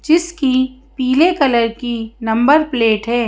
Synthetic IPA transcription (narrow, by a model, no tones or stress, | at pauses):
d͡ʒɪskipiːlekɐləɾkinɐ̃mbəɾpleːʈɦɛː